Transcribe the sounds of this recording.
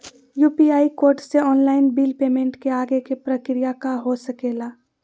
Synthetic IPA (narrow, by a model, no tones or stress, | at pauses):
juːpiaːikoːɾʈseɔːnlaːɪnbiːlpeːmẽɳʈkeaːɡekepɾəkɾijakaɦosəkeːlaː